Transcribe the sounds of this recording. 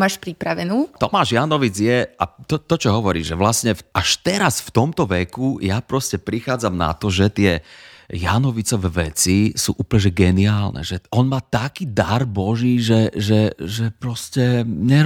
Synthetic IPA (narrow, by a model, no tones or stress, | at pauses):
maːʃpɾipɾaʋɛnuːt̪ɔmaːʒjanɔʋid͡zjɛat̪ɔt̪ɔt͡ʃɔɦɔʋɔɾḭːʒɛʋlasɲɛaʃt̪ɛɾasft̪ɔmt̪ɔʋɛkujapɾɔscɛpɾixaːd͡zamna̰t̪ɔʒɛt̪ɪɛjanɔʋit͡sɔʋɛʋɛt͡sisuːʔuːpl̩ɲɛʒɛɡɛniaːlnɛ̰ʒɛɔnmaːt̪akiːd̪aɾbɔʒiːʒɛʒɛʒɛpɾɔscɛɲɛ